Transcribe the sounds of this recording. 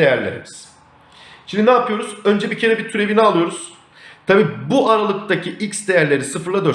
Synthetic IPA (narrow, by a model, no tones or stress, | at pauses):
ejæɾlʲeɾḭmiz̥ | t͡ʃʰininaːpʰɯjo̞ɾuzø̞nd͡ʒebicʰe̞ɾɛbiɾt̪ʰyɾe̞vinɛalˠɯjo̞ɾuz̥ | t̪ʰabiːbuʔaɾalˠɯk̚t̪acʰiʔicsd̪ejæɾlʲe̞ɾisɯfɯɾlˠad̪ø